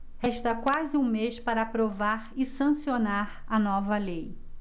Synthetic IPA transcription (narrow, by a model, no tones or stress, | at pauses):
hɛʃt̪ɐkwazɪũmeʃpaɾɐapɾovaɾɪsɐ̃sionaɾɐnɔvɐlej